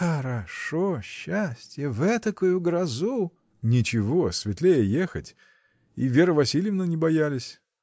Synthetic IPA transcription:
xəɾɐʂoɕːasʲtʲjəvɛt̪əkojʊɡɾɐzu | nʲɪt͡ɕɪvosʲvʲɪt̪lʲejəjexətʲ | ḭvʲe̞ɾəvɐsʲilʲɪjɪvnənʲɪbɐjalʲɪsʲ

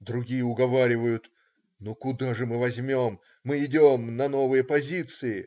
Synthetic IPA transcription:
d̪ɾʊɡʲijəʊɡɐvaɾʲɪvəjʊt̪ | nukʊd̪aʐɨmɨvɐzʲmʲomː | ɨɪdʲomnɐno̞vɨjəpɐzʲit̪sɨɪ

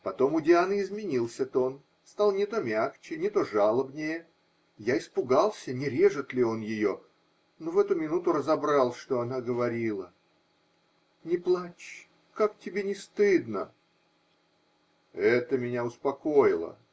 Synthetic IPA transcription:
pɐt̪o̞mʊdʲɪanɪzmʲɪnʲilˠsʲət̪o̞n | st̪alˠnʲɪt̪o̞mʲakt͡ɕɪnʲɪt̪o̞ʐalˠəbnʲɪjə | jaɪspʊɡalˠsʲənʲɪɾʲe̞ʐɨt̪lʲɪo̞njɪjo̞ | no̞vɛt̪ʊmʲɪnut̪ʊrəzɐbɾɑlˠʂt̪o̞ɐnaɡəvɐɾʲilˠə | nʲɪplˠat͡ɕ | kak̚tʲɪbʲenʲɪst̪ɨd̪nə | ɛt̪əmʲɪnʲaʊspɐko̞jɪlˠə̰

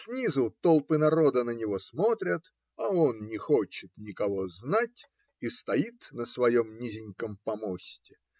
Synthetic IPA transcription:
sʲnʲizʊt̪olˠpɨnɐɾo̞d̪ənənʲɪvo̞smo̞t̪ɾʲət̪ | ɐonnʲɪxo̞t͡ɕɪt̪nʲɪkɐvo̞znat̚ʲ | ist̪ɐit̪nəsvɐjo̞mnʲizʲɪnʲkəmpɐmosʲtʲɪ

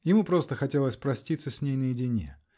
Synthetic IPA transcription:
jɪmupɾo̞st̪əxɐtʲelˠəsʲpɾɐsʲtʲit̪səsʲnʲejnəjɪdʲɪnʲḛ

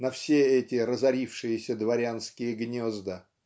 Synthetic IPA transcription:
nɐfsʲeɛtʲɪɾəzɐɾʲifʂɨjɪsʲəd̪vɐɾʲanskʲɪjəɡnʲozd̪ə

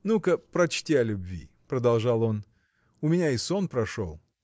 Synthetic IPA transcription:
nukəpɾɐt͡ɕtʲiɐlʲʊbvʲḭ | pɾəd̪ɐlˠʐɑlˠo̞n | ʊmʲɪnʲaɪsonpɾɐʂo̰lˠ

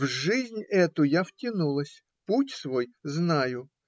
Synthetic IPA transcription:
vʐɨzʲnʲɛt̪ʊjaftʲɪnulˠəsʲ | putʲsvo̞jznajʊ

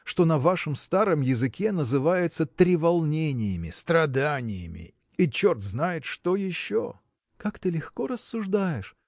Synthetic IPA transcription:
ʂt̪o̞nɐvaʂəmst̪aɾəmjɪzɨkʲe̞nəzɨvajɪt̪sət̪ɾʲɪvɐlˠnʲenʲɪjɪmʲɪst̪ɾɐd̪anʲɪjɪmʲɪ̰ | it͡ɕo̞rt̪znajɪt̪ʂt̪o̞jɪɕːo | kakt̪ɨlʲɪxko̞ɾəsːʊʐd̪ajɪʂ

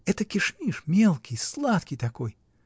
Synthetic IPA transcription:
ɛt̪əkʲɪʂmʲiʂmʲelˠkʲijslˠat̪kʲijt̪ɐkoj

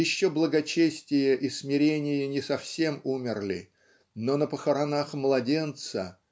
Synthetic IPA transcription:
ɪɕːoblˠəɡɐt͡ɕesʲtʲɪjəʔismʲɪɾʲenʲɪjənʲɪsɐfsʲe̞mumʲɪrlʲɪ̰ | nonəpəxəɾɐnaxmlˠɐdʲe̞nt̪sə

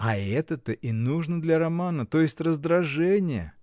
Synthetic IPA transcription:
ɐɛt̪ət̪əʔinuʐnəd̪lʲɐɾɐmanət̪ojɪsʲtʲrəzd̪ɾɐʐɛnʲɪjə̰

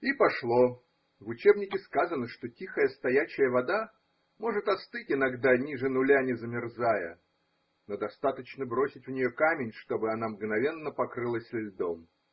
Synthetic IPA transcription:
ipɐʂlˠo̞ | vʊt͡ɕe̞bnʲɪkʲɪskazənəʂt̪o̞tʲixəjəst̪ɐjæɕɪjəvɐd̪a | mo̞ʐɨt̪ɐst̪ɨtʲɪnɐɡd̪anʲiʐɨnʊlʲanʲɪzəmʲɪrzajə | no̞d̪ɐst̪at̪ət͡ɕnəbɾo̞sʲɪtʲvnʲɪjokamʲɪnʲʂt̪o̞bɨɐnamɡnɐvʲe̞nːəpɐkɾɨlˠəsʲlʲɪlʲd̪o̞m

